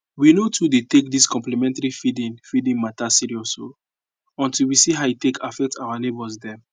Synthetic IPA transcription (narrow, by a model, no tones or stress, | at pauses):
winotʰudetek̚diskɔ̃mplimɛ̃ntaɹifidĩnfidĩŋmatasiɹiɔso̰ | ɔ̃ntilwisiɦaitekʰafɛk̚tawanebɔsdɛ̃m